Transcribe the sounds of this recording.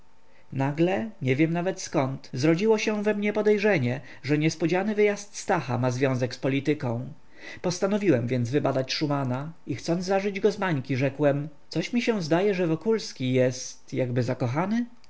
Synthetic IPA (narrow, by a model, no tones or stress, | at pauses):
naɡlɛɲɛvʲjɛmnavɛt̪skɔnt̪zɾɔd͡ʑiwɔɕɛ̃vɛmɲɛpɔd̪ɛjʐɛɲɛ | ʐɛɲɛspɔd͡ʑanɘvɘjast̪st̪axamazvʲjɔ̃w̃zɛkspɔlʲit̪ɘkɔ̃w̃ | pɔst̪anɔvʲiwɛmvʲjɛnd̪zvɘbad̪at͡ɕʂumanaixt̪sɔnd̪zzaʐɘd͡ʑɡɔzmaɲkʲiʐɛkwɛmt̪sɔɕmʲiɕɛ̃zd̪ajɛʐɛvɔkulskʲijɛst̪jaɡbɘzakɔxanɘ